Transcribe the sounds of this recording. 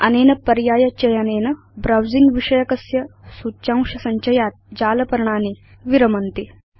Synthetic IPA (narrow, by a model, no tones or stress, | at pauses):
ɐ̰neːnɐpɐɾjaːjɐt͡ʃɐjɐneːnɐ | bɾawziŋɡʋiʂɐjɐkɐsjɐsut͡ɕãŋʂɐsɐɲt͡ʃɐjat̪̚d͡ʑaːlɐpɐɾɳ̃aːniː | ʋiɾɐmɐnt̪i